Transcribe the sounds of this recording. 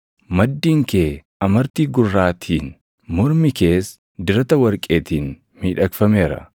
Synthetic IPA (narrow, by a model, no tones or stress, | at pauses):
mɐd̪ːiːŋke̞ː | ɐmɐɾt̪iːɡʊrːaːt̪ʰiːn | mɔɾmɪke̞ːs | d̪ɪɾɐt̪ɐwɐɾkʼe̞ːt̪iːn | miːᶑɐkfɐme̞ːɾɐ̰